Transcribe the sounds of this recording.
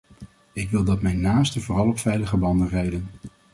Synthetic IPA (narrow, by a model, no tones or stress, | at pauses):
ɪkʋɪlˠdɑtmɛjnːaːstəvʊːrɑlˠɔpfɛjləχəbɑndənrɛjdən